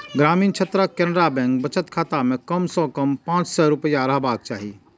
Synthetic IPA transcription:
ɡɾaːmiːnt͡ʃʰət̪ɾakɛnɾabɛ̃ːŋk̚bət͡ʃət̪kʰaːt̪amẽkɐmsɔkəmpãːt͡ʃsɔɾʊpijaɾəɦbaːɡ̚t͡ʃaːɦḭ

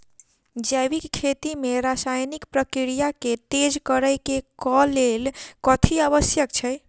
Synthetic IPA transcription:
d͡ʒəjbikkʰːet̪imeɾasajnikpɾəkɾiɾijaket̪ed͡ʒkəɾəjkekɔlelkɔt̪ʰiəβəsjək̚t͡ʃʰəj

